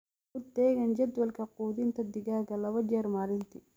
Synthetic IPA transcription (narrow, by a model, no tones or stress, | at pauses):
ʊd̪ɛːɣɐnd͡ʒɐd̪wɐlkʰɐquːd̪ɪnt̪ʰɐd̪ɪɡaːɡɐlɐβɐd͡ʒɛːɾmaːlɪnt̪ʰɪ